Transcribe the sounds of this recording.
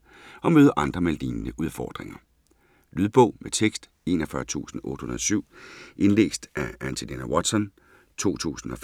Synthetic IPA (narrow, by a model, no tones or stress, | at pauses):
ɒ̽møːð̞ˠʔɑ̈nd̥ʁɐmeld̥ḭːnnəʔuð̞ˠfɒ̰ːd̥ʁeŋɐ | lyðˠb̥ɔ̽ʊmet͡sʰeɡ̥sd̥ | e̝̰ːnɒ̽fɶɐt͡sʰṵːsn̩ɔ̽ːd̥hunɐðˠsyʊ̰ʔe̝nlḛːsd̥ʔæænt͡sʰelenæwɒd̥sɒ̽n | t͡sʰo̝̰ːt͡sʰṵːsn̩ɒ̽f